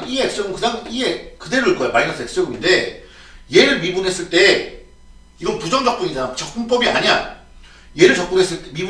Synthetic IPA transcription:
ieek̚s͈ʌɡɯmkɯdaŋiekɯdeɾuiɭk͈ʌeomainʌsʰek̚s͈ʌɡɯminde̞ | je̞ɾɯɭmibunɦe̞s͈ɯɭt͈e̞ | iɡʌnpud͡ʑʌŋd͡ʑʌk̚p͈uɲid͡ʑaat͡ɕʌk̚p͈uŋp͈ʌbia̰ɲan | je̞ɾɯɭt͡ɕʌk̚p͈unɦe̞s͈ɯɭt͈emib

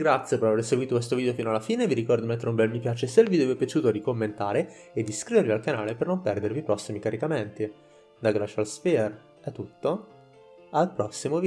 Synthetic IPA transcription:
ɡɾat̪sːjepeɾaveɾseɡwit̪okwes̬t̪oviːd̪eofiːnoalːafiːneviɾikɔrd̪d̪imet̪ːeɾeumbɛlmipjaːt͡ʃeselvid̪eoepjat͡ʃuːt̪oɾikomːent̪aːɾeed̪ːiskɾiveɾvialkanaːlepernompɛrd̪ervipɾɔsːimikaɾikament̪i | d̪aɡɾat͡ʃalspir | ɛt̪ːut̪ːo | alpɾɔsːimovi

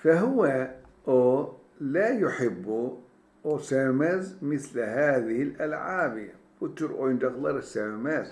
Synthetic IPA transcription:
faɦʊwa | ʔo | lajʊħɪbːu | ʔosaːmazmɪθlhaːðɪhɪlʔalʕaːbi | wʊt̪ːʊɾʔojnd̪ɑɣlɑɾˤɪsːamamaːt̪

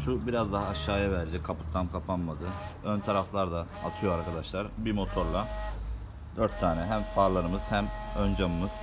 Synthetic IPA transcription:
ʃubiɾazd̪aɦaːʃːaːjavæɾd͡ʒɛkʰapʰɯ̥t̪ʰːanmkʰapʰanmad̪ɯ | ønt̪ʰaɾaflˠaɾd̪aːt̪ʰɯjoaɾkʰad̪aʃlˠaɾbimo̞t̪ʰo̞ɾlˠa | d̪øɾt̪ʰːaːnɛɦæmfaːɾlˠaɾɯmɯz̥hæmønd͡ʒamɯmɯz̥

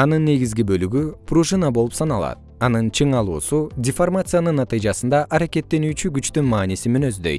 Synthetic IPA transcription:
ɑnɯnːe̞ɡizɡibø̞lyɡypruʒɨnabo̞lˠupsɑnɑlˠɑ̰t̪ | ɑnɯnt͡ʃʰɯɴɑlˠṵːsudʲɪformat̪sɨjanɯnːɑt̪ɨjd͡ʒɑsɯnd̪ɑʔɑɾake̞t̪ːe̞nyːt͡ʃyɡyt͡ʃt̪ynmɑːnisimynø̞zd̪ø̞̰j̪

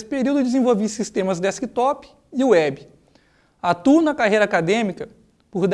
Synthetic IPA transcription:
sɪ̥peɾiwd̪ʊd͡ʒɪzẽvowvisist̪ẽmɐzd̪ɛskit̪ɔpɪ̥ | ɪʊɛbɪ | at̪unɐkaɦejɾɐakad̪ẽmikɐ | poɾd̪

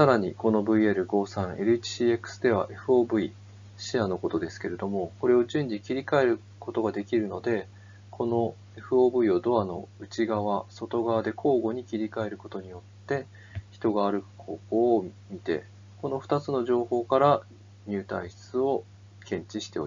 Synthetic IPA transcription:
saɾaɲ̟ḭko̞no̞bɯ̟ie̞ɾɯ̟ɡo̞ːsãɰ̃e̞ɾɯ̟it͡ɕi̥ɕiːe̞kɯ̟̥sɨd̪e̞β̞a̰ʔe̞ɸɯ̟o̞ːbɯ̟i | ɕiano̞ko̞t̪o̞d̪e̞sɨ̥ke̞ɾe̞d̪o̞mo̞ko̞ɾe̞o̞ʑɨ̃ɲ̟d͡ʑikʲiɾʲikae̞ɾɯ̟ | ko̞t̪o̞ɡad̪e̞kʲiɾɯ̟no̞d̪e̞ | kʰo̞no̞ | e̞ɸɯ̟oːbɯ̟io̞d̪o̞ano̞̰ɯ̟t͡ɕiɡaβ̞aso̞t̪o̞ɡaβad̪e̞kʰo̞ːɡo̞ɲ̟ikʲiɾʲikae̞ɾɯ̟ko̞t̪o̞ɲ̟ijo̞t̪ːe̞ | çi̥t̪o̞ɡaːɾɯ̟kɯ̟̥kʰo̞ːko̞ːmit̪e̞̰ | ko̞no̞ɸɯ̟̥t̪at͡sɨno̞ʑo̞ːho̞ːkaɾa | ɲ̟ɨːt̪aiɕt͡sɨo̞ | kẽ̞ɲ̟t͡ɕiɕi̥t̪e̞o̰i

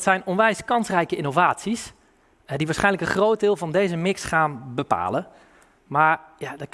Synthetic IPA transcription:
tsɛjnɔnʋɛjskɑnsrɛjkəinovaːtsis | ɛdiʋaːsχɛjnləkənχrowt̚dɪːlˠvɔndeːzəmɪksχaːnbəpa̰ːlə | maɹjadə

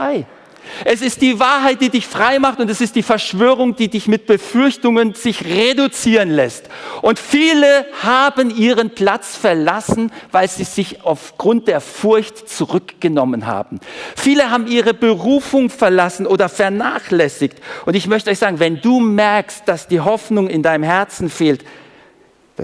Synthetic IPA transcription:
aɪ | ʔɛsɪst̚d̥iːvaːɐɦaɪt̚d̥iːdɪçfʁ̥aɪmaχtʊntɛsɪst̚d̥iːfɛɐʃv̥øːʁ̞ʊŋd̥iːdɪçmɪt̚b̥əfʏɐçtʊŋənzɪçʁedut͡siːʁənlɛstʔʊntfiːləhaːbənʔiːʁənpl̥at͡sfɛɐlasn̩vaɪlziːzɪçʔaʊfɡ̥ʁʊnt̚d̥eːɐfʊɐçtt͡suʁʏkɡ̥ənɔmənɦa̰ːbm̩fiːləhaːbm̩iːʁəbəʁuːfʊŋfɛɐlasn̩ʔoːdɐfɛɐnaːχlɛsɪçtʔʊntɪçmœçtəɔʏçz̥aːɡŋ̩vɛnduːmɛɐkst̚d̥asd̥iːɦɔfnʊŋɪndaɪnəmhɦɛɐt͡sn̩feːlt

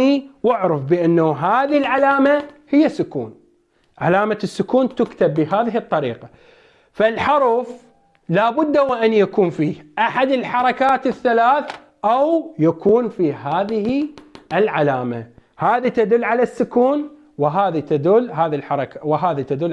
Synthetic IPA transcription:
iwɪʕɾɪfbɪʔanːaɦaːðilʕalaːmahɪjːasːʊkṵːn | ʕalaːmasːʊkuːnt̪ʊkt̪abːɪɦaːðɪɦhɨt̪ˤːɑɾḭːqa | falħʊɾˤf | laːbʊd̪ːawʔanjakuːnfiːhʔaħad̪ɪlħɑɾˤɑkaːt̪ɪθːalaːθ | ʔawjakuːnfiɦaːðɪhiʔɪlʕalaːma̰ | haːðit̪ad̪ʊlːʕalasːʊkuːn | wɪɦaːðit̪ad̪ʊlːɦaːðilħɑɾˤɑkawɪɦaːðit̪ad̪ʊlː

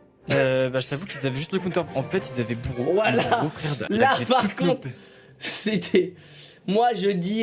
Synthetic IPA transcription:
øbaʒət̪avukilzavɛʒyst̪ləkũt̪œʁɑ̃fɛt̪ilzavɛbuʁovwalaofχɛʁd̪lapaʁkɔ̃t̪χ | set̪ʰɛ | mwaʒəd̪i

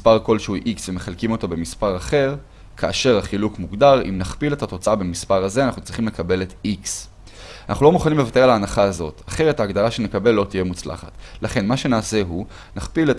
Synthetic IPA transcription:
spaʁko̞lʃehuʔiksvemeχalkimo̞t̪obe̞mispaʁaχe̞ʁ | kʰaːʃe̞ʁaχilukmuɡdaʁḭmnaχpile̞thato̞t͡saabemispaʁazeanaχnut͡sʁiχimlekabe̞letiks | ana̰χnulo̞muχalnimle̞vate̞alaːnaχaːzo̞taχe̞ʁethaːɡd̪alaʃe̞nekabe̞lːo̞tije̞mut͡sla̰χatlaχe̞nmaʃe̞naːse̞ɦu | naχpilet

